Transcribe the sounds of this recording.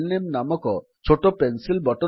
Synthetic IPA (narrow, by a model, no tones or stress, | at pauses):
lnemnamɔkɔ | t͡ʃʰoʈopensilbɔʈɔ